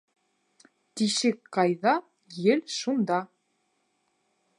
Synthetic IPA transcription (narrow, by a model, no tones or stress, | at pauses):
t̪iʃɘkqɑjðɑ | jɘlʃund̪ɑ